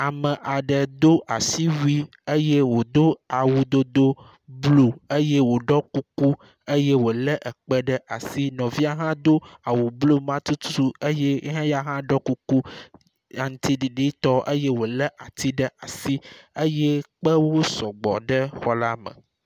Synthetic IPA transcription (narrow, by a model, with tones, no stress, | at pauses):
a˨mə̃˨ʔa˨ɖə˨d̪o˦ʔa˨si˦wi˦ | e˦je˦wo˨d̪o˦a˨wu˨d̪o˦d̪o˦ | blo˨ə˦je˦wo˨ɖɔ˦ku˦ku˦ | ə˦je˦wo˨lə˦ʔə˨k͡pɛ˦ɖə˦ʔa̰˨si˦nɔ̃˨vi˦a˨ɦã˦d̪o˦a˨wu˨blo˦mã˦t̪u˦t̪u˦u˦e˦je˦ɦã˦ja˦ɦã˦ɖɔ˦ku˦ku˦ | a˨ŋ˦t̪i˦ɖi˨ɖi˦t̪ɔ˦ʔḛ˦je˦wo˨lə˦ʔa˨t̪i˦ɖə˦a˨si˦ə˦jɛ˦k͡pə˦wo˦sɔ˨ɡ͡bɔ̰˨ɖə˦xɔ˦la˦mə̰̃˨